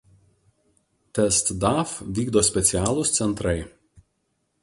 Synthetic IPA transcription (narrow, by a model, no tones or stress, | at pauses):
t̪ʲɛst̪d̪ɑfʋʲiːɡd̪oːsʲpʲɛt̪sʲɪæːlˠʊst̪sʲɛnt̪ɾɐɪ